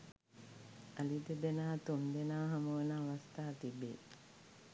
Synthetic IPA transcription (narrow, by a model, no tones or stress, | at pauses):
alid̪əd̪enaːt̪omd̪enaːɦaməʋənaːʋast̪aːat̪ibe